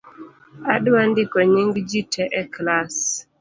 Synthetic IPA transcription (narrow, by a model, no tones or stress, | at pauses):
aɗwandɪkɔɲiŋɡd͡ʒitʰɛʔɛklas